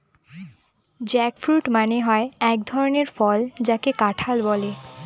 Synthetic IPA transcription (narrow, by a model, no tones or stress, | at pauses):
d͡ʑɛkfɾuʈmaneɦɔeɛk̚d̪ʱɔɾoneɾfɔld͡ʑakekaʈʰalbɔle